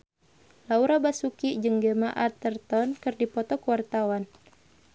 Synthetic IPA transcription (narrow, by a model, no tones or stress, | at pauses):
lauɾabasukid͡ʒɨŋɡəmaʔat̪ərt̪ɔnkɨrdipɔt̪ɔkəwart̪awan